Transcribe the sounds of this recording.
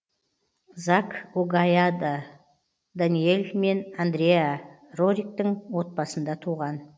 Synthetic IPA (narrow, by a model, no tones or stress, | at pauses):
zɑkuɡajad̪ə | d̪anije̞lʲme̞nand̪ɾʲeja | roɾʲik̚t̪əŋwo̞t̪̚pɑsənd̪ɑt̪ʰuʁɑn